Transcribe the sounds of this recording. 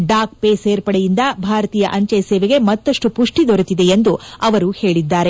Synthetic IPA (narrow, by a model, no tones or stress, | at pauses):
ɖaːk̚peːseːɾpɐɽejind̪ɐbʱaːɾɐt̪iːjɐʔɐɲt͡ʃɐjɐsɛːʋeɡe̞mɐt̪ːɐʂʈupuʂʈid̪oɾut̪id̪e̞end̪uɐʋɐɾuhe̞ːɭid̪ːaːɾe̞